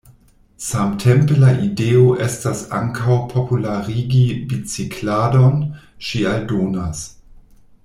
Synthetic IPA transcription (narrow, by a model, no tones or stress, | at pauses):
samtʰempelaʔideoʔestasa̰ŋkʰawpʰopulaʁiɡibit͡sikʰladon | ʃialdoːnas